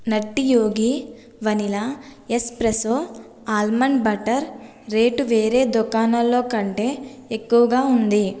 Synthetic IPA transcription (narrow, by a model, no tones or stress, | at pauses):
nɐʈːijoːɡi | ʋɐnilaespɾɐsoː | aːlmɐɳɖbɐʈɐɾː | e̞ːʈuʋe̞ːɾe̞ːd̪ukaːnɐlːo̞ːkɐɳʈe̞ːekːuʋɐɡaːund̪i